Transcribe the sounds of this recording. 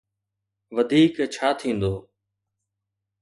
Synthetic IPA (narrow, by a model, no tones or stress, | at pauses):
ʋəd̪ʱiːkt͡ʃʰaːt̪ʰĩːnd̪oː